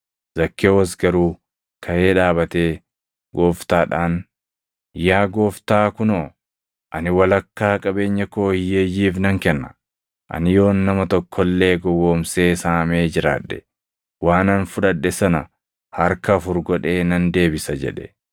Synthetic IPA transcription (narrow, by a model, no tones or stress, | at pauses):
z̥ɐkʰːeːwɐs̬ɡɐɾuː | kʰɐje̞ːᶑaːbɐt̪eː | ɡoːft̪aːᶑaːn | jaːɡo̞ːft̪aːkʊnoː | ʔɐnɪwɐlɐkːaːkʼɐbe̞ːɲːɐkoːhɪjeːjːiːfnɐŋkɛnːɐ̥ | ʔɐ̰nɪjo̞ːnːɐmɐt̪ɔkʰːɔlːe̞ːɡɔwːoːmseːsaːme̞ːd͡ʒɪɾa̰ːᶑːɛ | waːnɐnfʊᶑɐᶑːɛsɐnɐ | hɐɾkɐːfʊɾɡɔᶑe̞ːnɐnd̪e̞ːbɪsɐd͡ʒɛ̰ᶑɛ̥